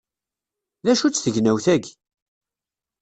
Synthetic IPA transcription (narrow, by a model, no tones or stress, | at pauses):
ðæʃut͡sːθəʝnæwθæɡ